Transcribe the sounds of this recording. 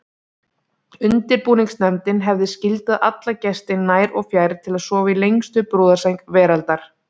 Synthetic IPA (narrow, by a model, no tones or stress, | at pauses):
ʏnt̪ɪɾpuːniŋksnɛmt̪ɪnɦɛvðɪscɪlt̪aðʔat̪lacɛst̪ɪnːaːjɾɔɣfjaːjɾt̪ʰɪlaðsɔːvailejŋst̪ʏpɾuːðasejŋkvɛːɾalt̪aɾ̥